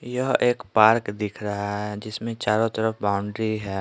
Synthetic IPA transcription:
jɐɦeːkpaːɾkd̪ɪkʰɾɐɦaɦɦɛd͡ʒɪsmẽt͡ʃaːɾõt̪əɾəfbaːʊɳɖɾiɦɛː

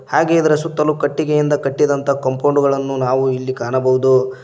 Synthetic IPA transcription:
haːɡeid̪ɐɾɐsut̪ːɐlukɐʈːiɡejind̪ɐkɐʈːid̪ɐnt̪ɐkɐmpʰɐwɳɖuɡɐɭɐnːunaːʋuilːikaːɳɐbɐʋud̪u

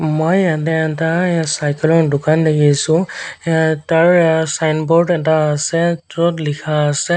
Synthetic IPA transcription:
mojat̬ɛɛtasajkɛlɔɹdʊkandekʰisʊ̃ | taɹsajnbɔɹdɛtaːsɛtɔtlikʰaːsɛ

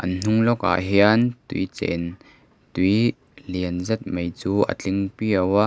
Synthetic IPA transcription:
ʔɐnn̥ʊŋlɔka̰ʔɦiant̪ujt͡sɛ̰n | t̪ij | liənzɛt̪̚mejt͡suːʔə̰t͡ɬɪŋpiəwaʔ

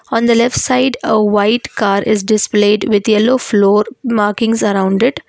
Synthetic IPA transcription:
ɔ̃ːnd̪əlɛfʈsaɪɖəʋaɪʈkaːɾʔɪzɖɪspleːɖʋɪd̪jɛloːfloːɾmaːɾkɪ̃ŋzɐɾãʊ̃ɳɖɪʈ

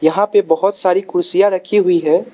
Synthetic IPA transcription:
jɐɦãpebɐɦʊt̪saːɾikʰʊɾsijaɾɐkʰiɦʊiɦɛː

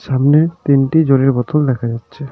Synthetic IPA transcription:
ʃamnet̪inʈid͡ʑoliɾbɔt̪ʰold̪ɛkʰad͡ʑatːɕʰe

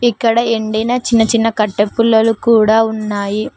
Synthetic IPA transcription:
ikːɐɽɐeɳɖɐjnaːt͡ʃinːɐt͡ʃinːɐkɐʈːepːulːɐlukuːɽaːunːaːji

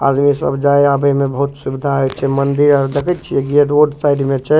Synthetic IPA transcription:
a̰d̪misə̰bd͡ʒaeabəjmebəɦut̪subid̪ʱaɦət͡ʃʰɛmənd̪iɾaɾd̪ekʰɛt̪̚t͡ʃʰiɛɡeɖoɖsajɖmet͡ʃʰɛ

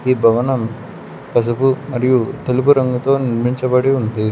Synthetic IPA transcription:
iːbʱɐʋɐnɐm | kɐs̬ɐpumɐɾijut̪elupuɾɐŋɡut̪o̞ːniɾmiɲt͡ʃɐbɐɽiund̪i

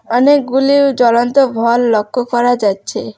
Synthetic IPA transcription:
ɔnek̚ɡuliwd͡ʒɔlɔnt̪ɔbʱɔlːɔkːɔkɔɾad͡ʒatːt͡ʃʰe

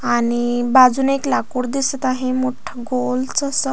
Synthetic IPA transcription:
añibad͡zuːneklakuɽd̪isət̪aɦẽmoʈʰəɡolt͡səsə

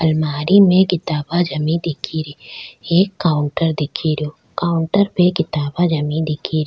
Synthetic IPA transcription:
ɐlmaːɾimẽkɪt̪aːbad͡ʒɐmĩd̪ɪkʰiɾieːkːaːʊɳʈəɾd̪ɪkʰiɾijoː | kaːʊɳʈəɾpekɪt̪aːbad͡ʒɐmĩd̪ɪkʰiɾ

